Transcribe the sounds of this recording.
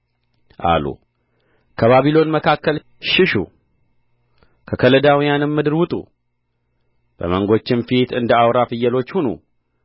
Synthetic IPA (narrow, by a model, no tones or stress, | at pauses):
ʔa̰lṵ | kʰəβaβilo̞nməkʰakːəl | ʃɪʃṵ | kʰəkʰələd̪awijanɨmːɨd̪ɨɾwʊt̪ʼṵ | b̥ə̰məŋɡo̞t͡ʃːɪnfit̪ʰɨnd̪əawɾafɨjːəlo̞t͡ʃːhunṵ